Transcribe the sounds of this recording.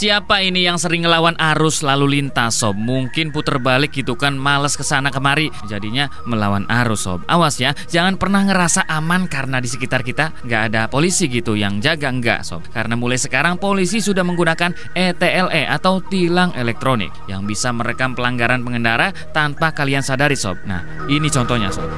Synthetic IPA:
siapainijaŋsəɾɪŋːəlawanʔaɾʊslalulint̪asɔb̚muŋkɪnput̪ərbalɪk̚ɡit̪ukanmaləskəsanakəmaɾi | d͡ʒadiɲa | məlawana̰ɾʊsɔ̰b̚a̰wasɲad͡ʒaŋanpərnahŋəɾasaʔamankaɾənadisəkit̪arkit̪aŋɡaʔːdapolisiɡit̪ujaŋd͡ʒaɡaəŋɡa̰sɔ̰b̚kaɾənamulajsəkaɾaŋpolisisudahməŋɡunakan | et̪eɛleʔat̪awt̪ilaŋelɛk̚t̪ɾonɪ̰k̚jaŋbisaməɾəkampəlaŋɡaɾanpəŋəndaɾa | t̪anpakaliansadaɾisɔ̰b̚na̰h | init͡ʃɔnt̪ɔhɲa̰sɔ̰b̚

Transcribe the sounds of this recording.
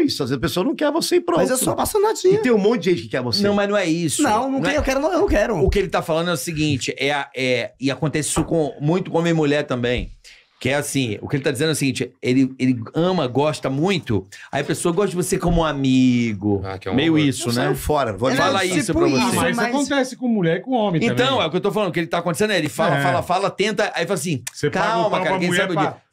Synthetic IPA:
isʊazvezɐpesoɐnɐ̃w̃kɛɾvosepɾõmazzɛsɔɐpasanad͡ʒiɐt̪ẽj̃ũmõnt̪dd͡ʒɪʒẽjt͡ʃʊɪkɪkɛɾvosneɐ̃w̃mɐznɐ̃w̃ɛisnʊɐ̃w̃nɐ̃w̃ɛewkɛɾʊnɐ̃ewnɐ̃w̃kɛɾʊʊkɪelɪt̪afalɐ̃nd̪ɛʊsiɡĩt͡ʃɪʔɛɐʔɛɪakõnt̪ɛsɪi̥sɔkõmũj̃t̪ʊkõɐmeɐmuʎɛɾt̪ɐ̃mbẽj̃ | kɪɛasĩʊ̰kɪelɪt̪ad͡ʒɪzẽd̪ɛʊsiɡĩt͡ʃɪelɪelɪɐ̃mɐɡɔʃt̪ɐmũj̃t̪ʊaiɐpesoɐɡɔst̪ɐd͡ʒɪvosekõmũamiɡʊa̰kɛ̰̃mejʊisʊnɛfɔɾɐvofalaisʊppɾɐvosssimakõt̪ɛsɪ̥kõmuʎɛɾɪkõõmẽẽɐ̃t̪ɐ̃w̃ɛʊkɪewt̪owfalɐ̃d̪ʊkɪelɪt̪akõt̪esẽnd̪elɪfalɐfalɐfalɐt̪ẽnt̪ɐailfalas̬ĩsekawmɐkaɾɐɐkẽsaɾbei

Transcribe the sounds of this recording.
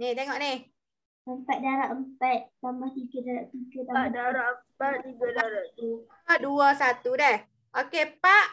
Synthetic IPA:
nit̪eŋɔʔni | əmpat̪̚daɾaʔəmpat̪̚t̪ambaht̪ikɪdaɾaʔt̪ukɪaadaɾaʔəmpat̪̚t̪iɡadaɾaʔt̪u | aʔduasat̪udɛh | ʔokepaʔ

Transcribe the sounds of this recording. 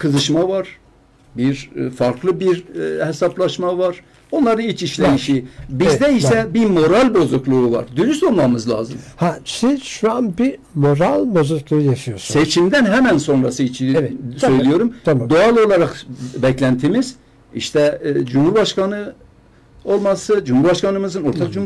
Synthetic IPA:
kʰɯzɯʃmavaɾ̥ | biɾfaɾkʰlˠɯbiɾhesaplˠɑʃmavaɾ | o̞nlˠɑɾɯnilʲt͡ʃiʃlejiʃibizd̪ɛissɛbimo̞ɾalʲbo̞zuklˠuuva̰ɾd̪ynysonlˠamɯzlˠa̰ːzɯmhasizʃuanbimoɾalʲbozuklˠujaʃɯjosset͡ʃʰimd̪ænɦæmænso̞nɾasɯit͡ʃʰisø̞jlʲijo̞ɾumd̪oɑlˠo̞lˠaɾɑqbɛclʲænt̪ʰimiz̥ | ḭʃt̪ʰɛd͡ʒumhuɾbɑʃkɑnɯ | o̞lˠmasɯd͡ʒumhuɾbaʃkɑnɯmɯzɯno̞ɾt̪ʰakd͡ʒum

